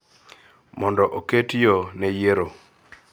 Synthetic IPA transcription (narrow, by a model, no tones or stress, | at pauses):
mɔndɔʔoketjɔnɛjeɾo